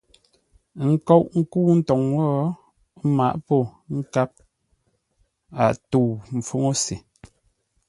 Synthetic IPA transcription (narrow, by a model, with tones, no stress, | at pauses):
ŋ̩˦kɔ˦ʔŋ̩˦ku˦n̩˦tɔ˨ŋwɔ˦ | ma˨ʔpo˦˨ŋ̩˦ka˦p̚ | a˨tu˦˨m̩˨fo˦ŋo˦se˨